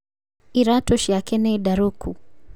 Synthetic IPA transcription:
iɾatɔʃiakɛnɛidaɾukʰu

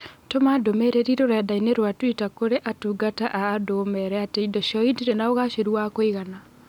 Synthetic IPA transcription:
tomadomeɾeɾiɾoɾɛdaineɾwatwitakoɾeʔatuːɡataʔaːdomɛɾɛateidɔʃɔidiɾenaoɣaʃeɾuakoiɣana

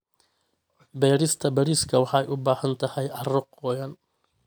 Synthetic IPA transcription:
bɛːɾɪst̪ʰɐbɐɾiːskʰɐwɑħɑɛjʔʊbaːħɐnt̪ʰɐhɛjɐrɔqɔːjɐn

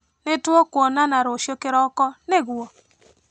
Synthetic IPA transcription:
netwɔkwonanaɾoʃjokeɾɔkɔneɣwɔ

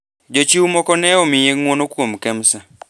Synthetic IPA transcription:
d͡ʒot͡ʃiwumɔkɔnɛomɪjeŋwonokwomkɛmsa

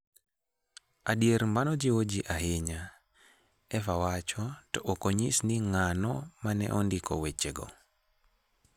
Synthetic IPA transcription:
adieɾmbanɔd͡ʒiwod͡ʒiʔaɦɪɲa | ɛfawat͡ʃɔtɔʔːkoɲisniŋanɔmanɛ̰ʔɔndɪkɔ̰wet͡ʃeɡɔ̰

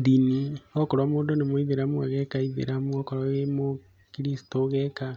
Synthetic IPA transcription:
ðiniɔkɔɾwamoːndonemoiðeɾamuaɣɛkaiðḛɾamuɔkɔɾwaɣemo | kiɾisi̥toɣɛka

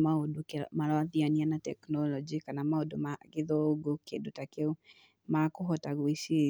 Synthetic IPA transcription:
maodomaɾɔaðianianatɛknɔlɔd͡ʒikanamaodomaɣeðɔoɡokḛndotakeu | makoɦɔtaɣwisie

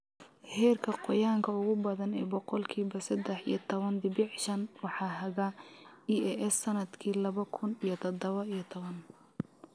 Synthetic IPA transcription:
hɛːrkʰɐqɔjaːŋkʰɐʊɣʊbɐðɐnɛːbɔqɔlkʰiːβɐsɐd̪ɛħḭjɔt̪ʰɔβɐnd̪ɪbɪʕʃɐnwɑħɑːɦɐɣɐiɛʔɛsːɐnɐd̪kʰiːlɐβɐkʰʊnijɞt̪ʰɔd̪ɔβɐijɞt̪ʰɔβɐn

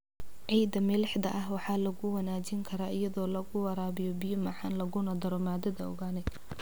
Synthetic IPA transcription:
ʕijd̪ɐmɛlɛħd̪ɐʔɐɦwɑħɑːlɐɣʊwɐnaːt͡ʃɪŋkʰɐɾaːɪjɐðɔːlɐɣʊwɐɾaːβɪjɔbɪjɔmaːħɑnlɐɣʊnɐd̪ɐɾɔmaːd̪ɐðɐɔ̰ɣaːnɛ

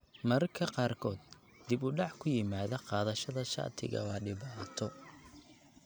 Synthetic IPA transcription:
mɐrkʰɐqɑːrkʰɔːd̪̚ | d̪ɪbʊɖɑʕkʰʊjɪmaːðɐqɑːðɐʃɐðɐʃɑ̰ʕt̪ʰɪ̰ɣɐ̰wɑːɖɪβaːt̪ʰɔ

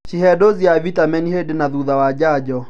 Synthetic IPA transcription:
t͡ʃiɦɛdoziavitamɛnihedɪnaðuðawad͡ʒad͡ʒɔ

